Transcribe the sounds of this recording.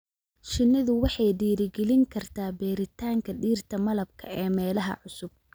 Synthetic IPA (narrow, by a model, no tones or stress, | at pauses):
ʃɪnːɪðʊwɑħɑjɖiːɾɪɡɛlɪŋkʰɐrt̪ʰaːbɛːɾɪt̪ʰaːŋkʰɐɖiːrt̪ʰɐmɐlɐb̚kʰɐ̰ɛːmɛːlɐɦɐ̰ʕʊsʊb̚